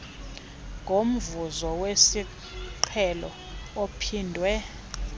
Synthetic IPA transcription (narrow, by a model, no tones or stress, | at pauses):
ŋʱom̩vuzɔwesi | ǃʰɛlɔ̰ | opʰiːndʱwɛ